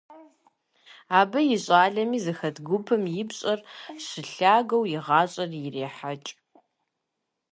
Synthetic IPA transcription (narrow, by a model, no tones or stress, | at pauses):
aːbɐjɪɕʼaːɮɐmiːzɨxɐdɡʷʊpʰɐmjɪbɕʼɐrɕɨɬaːɡɐwjɪʁɑːɕʼɐrjɪreːħat͡ʃʼ